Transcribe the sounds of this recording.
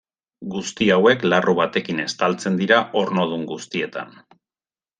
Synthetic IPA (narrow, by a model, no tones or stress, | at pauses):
ɡust̪iawe̞klaruβ̞at̪e̞kine̞st̪alt͡se̞nd̪iɾaʔo̞ɾno̞ð̞uŋɡust̪ie̞t̪a̰n